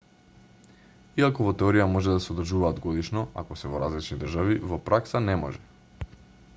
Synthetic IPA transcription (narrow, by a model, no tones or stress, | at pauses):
iakɔvɔt̪ɛɔɾijamɔʒɛd̪asɛod̪r̩ʒuvaːd̪ɡɔd̪iʃnɔa̰kɔsɛvɔɾazlit͡ʃnid̪rʒavivɔpɾʔaksanɛmɔ̰ʒɛ